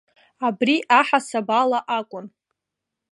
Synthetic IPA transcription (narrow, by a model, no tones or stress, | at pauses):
abriʔaħasabalaʔakʷʼʊn